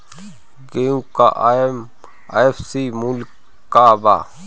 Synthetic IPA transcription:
ɡeũka̰ | efsimulk | kabaː

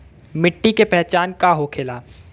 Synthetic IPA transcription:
mɪʈːikepɛɦt͡ʃaːnkaɦokʰeːlaː

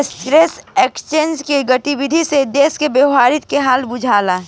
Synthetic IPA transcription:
stɾeːseːkst͡ʃend͡ʒkeɡəʈibid̪ʱised̪eːskebjəʊɦaːɾɪt̪keɦaːlbʊd͡ʒʱaːla

